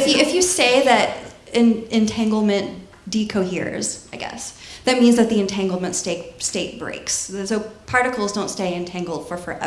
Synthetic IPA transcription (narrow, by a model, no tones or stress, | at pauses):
fjɨɪfjɨsteɪðɨɾ | ɨ̃nɨ̃ntʰæ̃ŋɡl̩ˠmɨ̃n | d̥ikʰoʊɦḭɹz̥aɪɡɛ̰sðɨt̚mĩnzðɨt̪̚ðiɨ̃ntʰæ̃ŋɡl̩ˠmɨ̃ntsteɪt̚steɪt̚b̥ɹḛɪkssoʊpʰɑɹɾɨkl̩ˠzdõʊ̃ntsteɪɨ̃ntʰæ̃ŋɡl̩ˠd̥fə˞fə˞ʔɛ̰